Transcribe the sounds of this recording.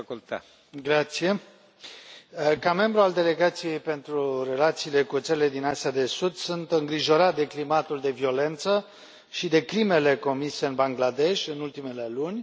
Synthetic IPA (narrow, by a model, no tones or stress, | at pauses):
t̪ | ɡɾat̪sije̞ | kame̞mbɾuald̪e̞le̞ɡat̪sije̞jpe̞nt̪ɾure̞lat̪siːle̞kut̪səɾile̞d̪inasiad̪e̞sud̪sunt̪ɨŋɡɾiʒo̞ɾat̪̚d̪e̞klimat̪uld̪e̞vio̞le̞nt̪sə | ʃid̪e̞kɾime̞le̞ko̞mise̞ɨnbaŋɡlad̪e̞ʃʲɨnult̪ime̞le̞lunʲ